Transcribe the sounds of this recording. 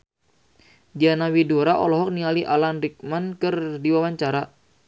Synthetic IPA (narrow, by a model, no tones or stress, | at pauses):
dianawidoɾaʔɔlɔɦɔk̚niŋaliʔalanrik̚mankərdiwawaɲt͡ʃaɾa